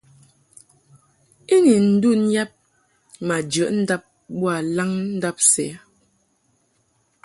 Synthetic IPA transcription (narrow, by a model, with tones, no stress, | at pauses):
i˦ni˨n̩˦du˦n̩˦ja˦p̚ | ma˨d͡ʒə˨˦ʔn̩˦da˦p̚bwa˨la˦ŋn̩˦da˦p̚sɛ̰˨˦